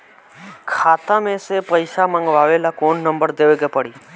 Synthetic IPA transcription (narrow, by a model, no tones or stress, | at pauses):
kʰat̪amẽsepəjʃamãŋɡʋaʋelakoɳnəmbəɾd̪eʋeɡepəɽi